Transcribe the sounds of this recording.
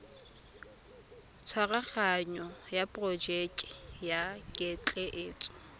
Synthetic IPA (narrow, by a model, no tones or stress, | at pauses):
t͡sʰwaraχaɲɔjapʼrɔd͡ʒɛkʼɪ̥jakʼɪt͡ɬʼɛʔeːt͡sʼʊ̥